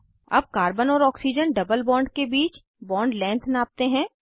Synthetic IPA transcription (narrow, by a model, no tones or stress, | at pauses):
ɐ̰b̚kaːɾbənɔːɾɔːksid͡ʒənɖɐbəlbɔ̃ːɳɖkebiːt͡ʃ | bɔ̃ːɳɖlɛ̃ːnt̪ʰnaːp̚t̪eɦɛ̃ː